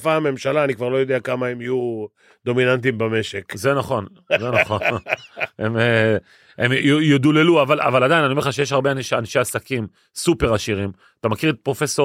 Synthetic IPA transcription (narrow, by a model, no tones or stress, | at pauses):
fame̞mʃalaːnikvaʁlojo̞d̪eakamaemiju | d̪o̞minant̪̬imbame̞ʃekzenaχo̞n | zenaχon | em | emjojod̪uleluavala̰valadajnanioeχaʃejeʃ̬haʁbeanʃanʃe̞asakim | supe̞ʁaʃiʁim | at̪amakiʁet̪pʁo̞fe̞so